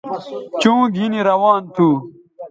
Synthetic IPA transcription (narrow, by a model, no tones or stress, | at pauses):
t͡ɕũːɡʱiniɾɐwaːnt̪ʰuː